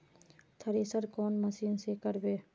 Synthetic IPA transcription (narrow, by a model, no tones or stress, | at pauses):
t̪ʰəɾeːsəɾkɔːnməsiːnsekəɾbeː